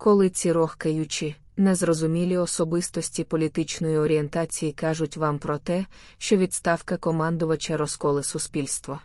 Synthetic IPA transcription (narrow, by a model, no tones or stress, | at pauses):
kɔlˠɪt͡sʲiɾɔxkɐjut͡ʃi | nɛzrɔzʊmʲilʲiɔsɔbɪst̪ɔsʲtʲipɔlʲit̪ɪt͡ʃnɔjiɔɾʲie̞nt̪ɑt͡sʲijikɑʒʊtʲʋɑmpɾɔt̪ɛ | ʃt͡ʃɔʋʲid̪st̪ɑwkɐkɔmɑnd̪ʊʋɐt͡ʃɐɾɔskɔlˠɪsʊspʲilʲst̪ʋɔ